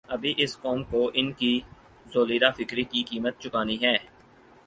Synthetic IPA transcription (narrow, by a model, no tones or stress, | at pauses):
ɐbʱiʔɪskɔːmkoʔɪnki | zoːliːɾafɪkɾikikiːmət̪̚t͡ʃʊkaːniɦɛː